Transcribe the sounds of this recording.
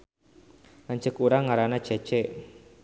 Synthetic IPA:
lant͡ʃəkuɾaŋaɾanḁt͡ʃe̥t͡ʃɛʔ

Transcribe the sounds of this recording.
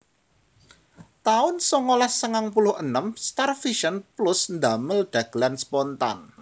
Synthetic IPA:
t̪aʊnsɔŋolasəŋaŋpulʊhənəmst̪arfiʃənplʊsnd̪aməld̪̥a̤ɡ̥lanspɔnt̪a̰n

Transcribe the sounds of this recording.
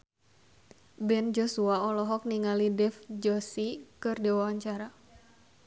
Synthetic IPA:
bɛnd͡ʒɔsuaɔlɔɦɔk̚niŋalidɛfd͡ʒɔsikɨrdewawaɲt͡ʃaɾa

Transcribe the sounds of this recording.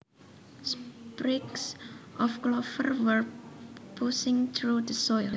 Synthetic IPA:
spɾiksʔɔfklɔfə̰rwərpusɪ̃ŋt̪ʰɾud̪əsɔjl

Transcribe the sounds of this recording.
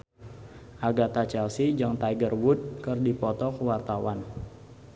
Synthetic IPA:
ʔaɡat̪at͡ʃɛlsid͡ʒaŋt̪aiɡərwʊt̪̚kərdipɔt̪ɔkəwart̪awan

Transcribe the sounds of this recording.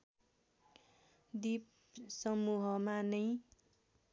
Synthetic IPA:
d̪ip̚ | sʌmuɦʌmanʌj

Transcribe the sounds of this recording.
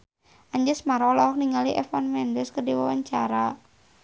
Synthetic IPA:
aɲd͡ʒəsmaɾɔlakniŋaliʔɛ̰fɔnmɛndɛskərdiwawaɲt͡ʃaɾa

